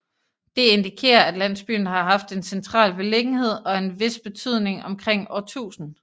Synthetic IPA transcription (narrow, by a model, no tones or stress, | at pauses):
d̥e̝e̝nd̥ikʰe̝̰ːɐæd̥læn̰sb̥y̰ːn̩əɦɑ̈ɦɑ̈fd̥e̝nsent͡sʰʁɑ̰̈ːlb̥e̝le̝ɡ̥n̩he̝ð̞̰ˠɒ̽e̝nʋe̝sb̥e̝t͡sʰyð̞̰ˠne̝ŋɒ̽mkʰʁeŋ̰ɒt͡sʰṵːsn̩